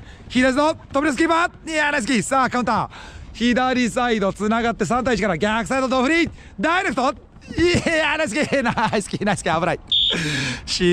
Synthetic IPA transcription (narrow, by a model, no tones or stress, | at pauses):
çid̪asɨnot̪obiɾes̬kʲibaanajs̬ɨ̥kʲisaːkaɯ̃nt̪açid̪aɾʲisaid̪ot͡sɨnaɡat̪ːe̞s̬ãnait͡ɕikaɾaɡʲakɯ̥sajd̪ot̪oɸɯɾʲi | d̪ajɾek̟t̪o | anajs̬ɨkʲinaisɨ̥kʲinajsɨ̥kʲiabɯɾai | ɕi